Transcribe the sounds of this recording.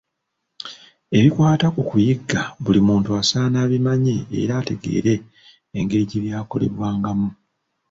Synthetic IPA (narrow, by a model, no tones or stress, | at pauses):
e̞βikwaːtakukujiɡːaβulimuːntuasaːnaːβimaɲe̞̰ːɾaːte̞ɡe̞̰ːɾe̞ː | ŋɡe̞ɾiɟeβjaːko̞le̞̰βwaːŋɡamu